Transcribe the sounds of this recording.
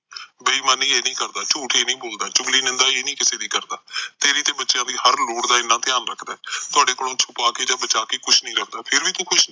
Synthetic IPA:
bəiːmãːnĩːeːnĩːkəɾd̪aːt͡ʃuːʈʰeːnĩːboːld̪aːt͡ʃʊŋɡliːnɪ̃nd̪aːeːnĩːkɪseːd̪iːkəɾd̪aːt̪eːɾiːt̪eːbətːʃjãːd̪iːhəɾloːɽd̪aːɪnːãːt̪ɪjaːnɾəkʰd̪aːɛːt̪ʊaːɖeːkolõːt͡ʃʰʊpaːkeːd͡ʒãːbət͡ʃaːkeːkʊʃʰnĩːɾəkʰd̪aːpʰɪɾʋiːt̪õːkʰʊʃ

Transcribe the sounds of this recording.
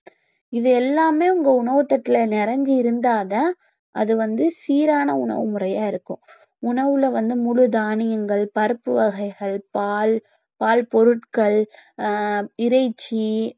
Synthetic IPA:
ɪðɯɛlːaːmeːʊŋɡɐʊɳɐʋɯt̪ːɐʈːɪlɐnɪɾɐɲd͡ʒiɪɾɯnd̪aːðɐ | ʔɐðɯʋɐnd̪ɯsiːɾaːnɐʊɳɐ̰ʋɯmʊrɐjaːɪɾɯkːʊ̃ | ʊɳɐʋɯlɐʋɐnd̪ɯmʊɻɯd̪aːɳɪjɐŋɡɐɭpɐɾɯpːɯʋɐɣɐɪɣɐɭpaːl | paːlpɔɾɯʈkɐɭ | ɪɾɐɪt͡ʃːi

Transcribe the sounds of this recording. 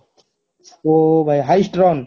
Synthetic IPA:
obajɦajsʈɾɔn

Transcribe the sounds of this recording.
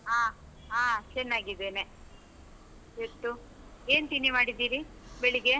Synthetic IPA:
ɦaː | ɦaːt͡ʃɛnːaːɡid̪eːne | et̪ːu | eːnt̪inːimaːɽid̪iːɾibeɭiɡe

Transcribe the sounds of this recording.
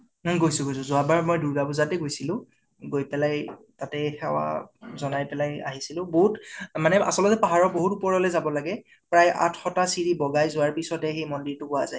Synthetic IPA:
ɡojsʊ̃ɡojsʊ̃zʊabaɹmojduɹɡabuzatɛɡojsilʊ̃ | ɡojpɛlaj | tatɛxɛwa̰zɔnajpɛlaja̰ɦisilʊ̃boɦutmanɛa̰sɔlɔzɛpaɦaɹɔboɦutupɔɹɔlɛzabɔlaɡɛ | pɹaja̰tʰxɔtasiɹibɔɡajzʊwaɹpisɔtɛxejmɔndiɹtʊkʊazaj

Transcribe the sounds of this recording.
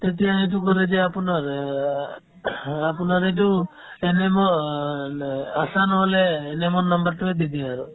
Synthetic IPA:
t̪et̪iait̪̬ukɔɾed͡ʒeapunaɾ | apunaɾet̬u | enemɔ | asanɔɦɔleːnemɔnnːɔmbɔɾʈued̪id̪iaɾu

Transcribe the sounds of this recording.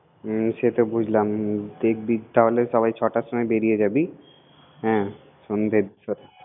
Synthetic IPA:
ʃet̪obud͡ʑʱlamd̪ek̚ʰbit̪aɦoleʃɔbajt͡ɕʰɔʈaʃomɔebeɾijed͡ʑabi | ɦɛ̃ː | ʃond̪ʱed̪ʃoɾe

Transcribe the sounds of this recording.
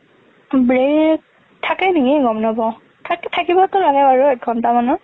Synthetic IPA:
bɹek | tʰakɛniɡiɡɔmnɔbɔ | tʰakɛtʰakibɔtʊlaɡɛaɹuɛɡʰʱɔntamanʊ

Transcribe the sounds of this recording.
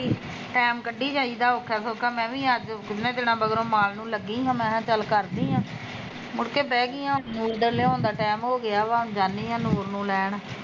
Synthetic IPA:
iː | ʈɛːmkəɖːiːt͡ʃaːiːd̪aːoːkʰːaːsoːkʰaːmɛ̃ːʋĩːəd͡ʒkɪnẽːt̪ɪnãːbəɡɾõːmaːlnũːləɡːiːɦãːmɛ̃ːt͡ʃəlkəɾd̪iːɦãː | mʊɽkeːbɛːɡiːɦãːmuːɾd̪əɾleːõːnd̪aːʈɛːmɦoːɡɪaːʋãːd͡ʒaːnːiːɦãːnoːɾnũːlɛːɳ

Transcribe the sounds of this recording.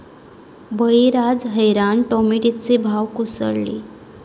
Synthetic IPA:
bəɭiɾad͡zɦəjɾaɳʈɔmiʈit͡sebʱawkusə̰ɽlḭ

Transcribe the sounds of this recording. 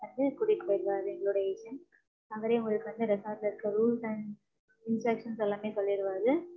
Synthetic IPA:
ʋɐnd̪ɯkʊɽɪkːpoːɪɾɯʋaːðɯɛŋɡɐɭoːɽɐeːsɐn | ɐʋɐɾeːŋɐɾɯkːɯʋɐnd̪ɯɾɛsaːɾlɐɪɾɯkːɐɾuːlsɐɳɖ | ɪnsɐːkʂɐnsɛlːaːmeːsɔlːɪɪɾɯʋaːðɯ

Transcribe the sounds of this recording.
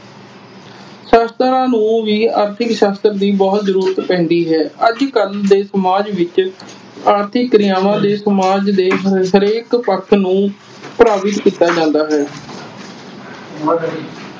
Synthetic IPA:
ʃaːst̪ɾãːnũːʋiːaːɾt̪ʰɪkʃaːst̪əɾd̪iːbɔːt̪zəɾuːɾət̪pɛ̃ːnd̪iːɦɛːəd͡ʒkəld̪eːsəmaːd͡ʒʋɪt͡ʃ | aːɾt̪ʰɪkːɾɪjaːʋãːd̪eːsəmaːd͡ʒd̪eːɦɦəɾeːkpəkʰnũː | pɾaːʋɪt̪kiːt̪ːaːd͡ʒãːnd̪aːɦɛː

